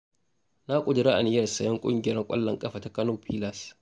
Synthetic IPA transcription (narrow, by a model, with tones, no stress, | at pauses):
na˦kʷʼʊ˨dɪ˨ɾa˦ʔa˨nɪ˨˦jɐ˦˨rsɐ˨jɐ˦ŋkʷʼʊ̰˦ŋɡʲɪ˨ɾɐ˦kʷʼɐ̰˦lːɐ˨ŋkʼɐ˦ɸaː˨ta˦kɐ˦noː˦pʰiː˦lɐ˨s